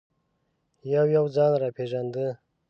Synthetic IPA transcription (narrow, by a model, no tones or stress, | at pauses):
jawjawd͡zɑnɾapʰeʒand̪ə